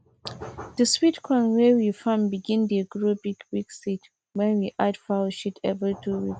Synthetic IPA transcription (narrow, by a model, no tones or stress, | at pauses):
dəswitkʰɔ̃nɹewifãmbiɡĩndiɡɹobiɡbiɡsit | wɛ̃nwiʔadfaʃitʰɛ̰vɹitʰuwik